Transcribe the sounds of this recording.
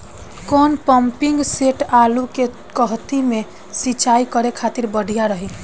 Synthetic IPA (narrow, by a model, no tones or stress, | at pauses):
kɔnpəmpiŋɡseʈaluke | kəɦt̪ime | sit͡ʃaikəɾekʰat̪iɾbəɽʱijaɾəɦi